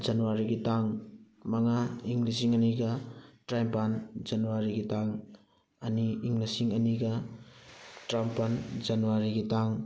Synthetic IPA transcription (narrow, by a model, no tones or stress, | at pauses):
d͡ʒanuwaɾiɡitaŋ | mɐŋaiŋlis̬iŋɐniɡɐtɾajmpand͡ʒɐnuwaɾiɡitaŋ | ɐniːŋlisiŋɐniɡɐ | tɾampand͡ʒanuwaɾiɡitaŋ